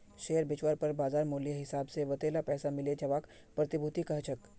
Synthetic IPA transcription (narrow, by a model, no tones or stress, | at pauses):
ʃeːəɾbɪt͡ʃʋəːɾpəɾbaːzaːɾmoːlijəɦɪsaːbseʋɐt̪eːlapɛːsamɪled͡ʒɐʋaːk | pɾət̪ɪbʱut̪ikɐɦt͡ʃʰək